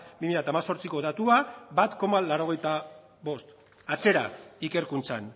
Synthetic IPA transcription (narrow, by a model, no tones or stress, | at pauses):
bimiʎat̪amaso̞ɾt͡siko̞ðat̪uabat̪ko̞malaɾo̞ɣ̞e̞jt̪a | βo̞st̪ | at͡se̞ɾa̰ike̞ɾkunt͡san